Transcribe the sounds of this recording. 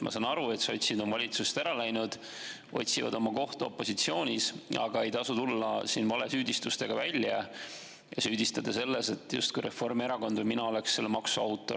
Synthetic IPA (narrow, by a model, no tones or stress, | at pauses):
mʔɑ̰sɑnɑɾue̞t̪sɑo̞t̪ʲsid̪o̞mvɑlʲit̪sust̪æɾɑlæjnud̪̥ | o̞̰t̪ʲsivɑ̰d̪o̞mɑko̞ht̪ɑo̞̰pːˑo̞sit̪sio̞ːnʲisɑ̰ɡ̥ɑe̞jt̪ɑsut̪ulːɑsiːnvɑle̞syːd̪̥ist̪ust̪e̞ɡ̥ɑvælʲjɑ | jɑsyːd̪̥ist̪ɑd̪ese̞lːe̞se̞t̪ːjṵst̪̚kujɾʔe̞fːo̞rme̞ɾɑko̞nd̪vɨjminɑo̞le̞ksse̞lːemɑksuɑwt̪ːˑo̞